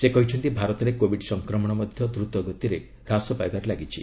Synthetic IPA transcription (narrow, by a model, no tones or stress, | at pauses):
sekɔɦit͡ʃʰɔnt̪ibʱaɾɔt̪ɔɾekobʱiɖsɔŋkɾɔmɔɽ̃ɔmɔd̪ʱjɔd̪ɾut̪ɔɡɔt̪iɾe | ɾasɔpajbaɾelaɡit͡ʃʰi